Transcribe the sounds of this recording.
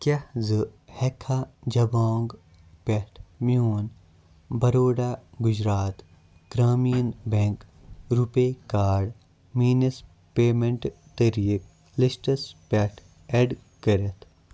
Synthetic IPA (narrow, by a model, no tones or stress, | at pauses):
kɐhzɨhekʰad͡ʒɐbaːŋɡ | peʈʰmiuːn | bɐɾoːɖaɡud͡ʒɾaːt̪ | ɡɾaːmijənbẽŋk | ɾupekaːɾɖ | miːnis | peːmẽɳʈ | t̪ɐɾiːk̚ | lisʈɐspeʈʰ | eɖ | kɐɾet̪ʰ